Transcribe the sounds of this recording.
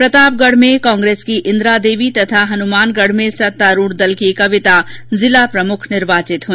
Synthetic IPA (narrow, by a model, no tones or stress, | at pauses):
pɾət̪aːp̚ɡəɽ̤mẽkãːŋɡɾeːskiʔɪ̃nd̪ɾad̪eːʋit̪ɐt̪ʰaɦɐnumaːnɡəɽ̤mẽsɐt̪ːaɾuːɽd̪ɐlkekɐʋɪt̪azɪlapɾɐmʊkʰnɪɾbaːt͡ʃɪt̪ɦũ